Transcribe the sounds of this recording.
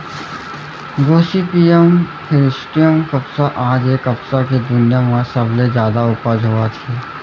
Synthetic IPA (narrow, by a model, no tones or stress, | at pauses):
ɡoːsipiːjəmpʰɪɾɪsʈijəmkɐpsaʔãːd͡ʒeːkɐpsaked̪ʊnijamãsɐblezjaːd̪aʊpəd͡ʒɦoːat̪ʰeː